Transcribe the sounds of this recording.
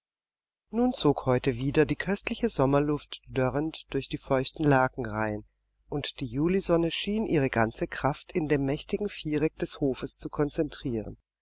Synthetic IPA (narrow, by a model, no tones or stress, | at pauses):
nuːnt͡soːkhɔʏtəviːdɐdiːkʰœstlɪçəzɔmɐlʊftd̥œʁəntd̥ʊɐçd̥iːfɔʏçtn̩laːkŋ̩ʁaɪn | ʔʊntd̥iːjuːlizɔnəʃiːnʔiːʁ̞əɡant͡səkʁ̥aftɪndeːmːɛçtɪɡŋ̩fiːʁɛk̚d̥ɛshoːfəst͡sukʰɔnt͡sɛntʁ̥iːʁə̰n